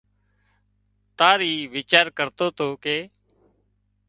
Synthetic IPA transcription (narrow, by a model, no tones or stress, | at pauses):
t̪aːɾiːʋɪːt͡ʃaːɾkəɾt̪oːt̪oːkeː